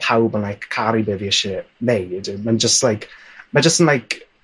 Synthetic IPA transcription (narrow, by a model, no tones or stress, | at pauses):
pʰawbənlajkkʰːaɾibəviɛʃɛnejdmand͡ʒəstlajkʰmad͡ʒəstənlajk